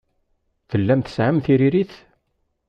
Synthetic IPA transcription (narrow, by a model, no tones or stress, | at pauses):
θəlːæmθə̥sʕamθiɾiɾiθ